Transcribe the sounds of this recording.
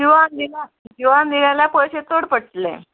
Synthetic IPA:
iʋand̪ila | d͡ʒiʋand̪iljaljapɔjɕet̪oɽpəɽʈlḛ

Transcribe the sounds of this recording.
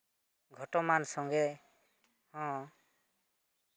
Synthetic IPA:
ɡʱɔʈɔmansɔŋɡɛ | hɔ̃

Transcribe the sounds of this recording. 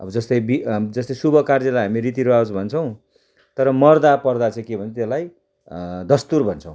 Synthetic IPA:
ʌ̰bʌd͡zʌst̪ʌjbid͡zʌst̪ʌj̃subʱʌkard͡zʌlajɦamiɾit̪iɾoawt͡sbʱʌnt͡sʰʌw̃ | t̪ʌɾʌmʌrd̪apʌrd̪at͡sãĩkebʱʌnt͡sʰt̪elaj | d̪ʌst̪urbʱʌnt͡sʰʌw̃

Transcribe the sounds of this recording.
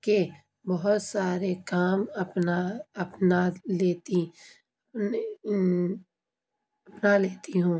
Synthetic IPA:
ke | bɐɦʊt̪saːɾekaːmɐpnaɐpnaleːt̪i | ɐpnaleːt̪iɦũː

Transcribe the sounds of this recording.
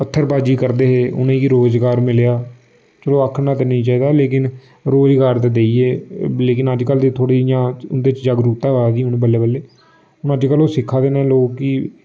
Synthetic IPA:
pət̪ʰːəɾbaːd͡ʒiːkəɾd̪eːɦeːʔʊ̰nẽːkiɾoːzɡaːɾmɪljaː | t͡ʃəloːəkʰːnãːt̪enĩːt͡ʃaːiːd̪aːleːkɪn | ɾoːzɡaːɾt̪aːd̪eːieːleːkɪnəd͡ʒkəld̪eːt̪ʰoːɽiːjãːʊnd̪eːɪt͡ʃd͡ʒəɡɾuːt̪aːɦad̪iːʊnẽːbəlːeːbəlːeː | ʊnəd͡ʒkəloːsɪkʰːaːd̪eːnẽːloːkːi

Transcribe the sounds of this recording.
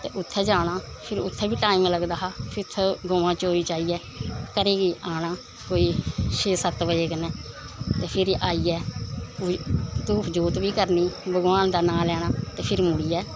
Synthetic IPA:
t̪ḛːʔʊt̪ʰːɛːd͡ʒaːɽ̃aː | pʰɪɾʊt̪ʰːɛːbiːʈaːiːmləɡd̪aːɦaːpʰɪɾt̪ʰːɛːɡoːʋãːt͡ʃoːɾiːt͡ʃaːiːɛː | kəɾeːɡiːʔaːɽ̃aː | koːiːʃeːsət̪ʋəeːkənɛː | t̪eːpʰɪɾʔaːiːɛː | t̪uːd͡ʒuːt̪biːkəɾniːbəɡʋaːnd̪aːnaːlɛːɽ̃aːt̪eːpʰɪɾmʊɽiːɛː

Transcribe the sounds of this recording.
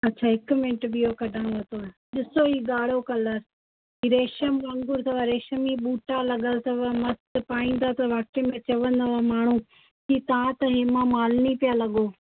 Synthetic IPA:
ɐtːɕʰaːɦɪkʊmɪ̃ɳʈɓiokɐɖʱãːɽ̃ʋɐt̪oɗɪsoiːɡaːɽ̤okɐləɾ | ɦiːɾeːʃəmʋɐ̃ŋɡʊɾt̪ʰɐʋaɾeːʃəmiɓuːʈalɐɠəlt̪ʰɐʋamɐst̪paːĩːnd̪at̪ɐʋaːk̚ʈemẽt͡ɕɐʋə̃nd̪aʋamaːɳ̤u | kit̪ɐãt̪ɐɦeːmãmaːlnipijalɐɠoː

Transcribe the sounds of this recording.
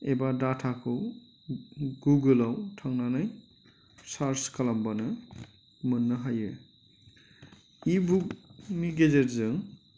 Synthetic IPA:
ebadatʰakʰɯw | ɡuɡɯlawtʰaŋnanaj | saɾskalambanɯ | mɯnːɯɦajɯ | ibuk̚miɡezeɾzɯŋ

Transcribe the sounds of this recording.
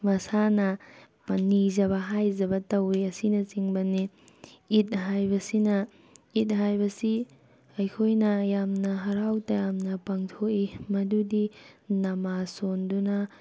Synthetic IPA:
mɐsanɐ | nizɐβɐɦajzɐbɐtɐwiɐsinɐt͡ʃiŋbɐni | it̚ɦajbɐsinɐ | it̚ɦajbɐsi | ɐjkʰojnɐjamnɐɦɐɾawtɐjamnɐpaŋtʰoʔimɐdudinɐmasondunɐ

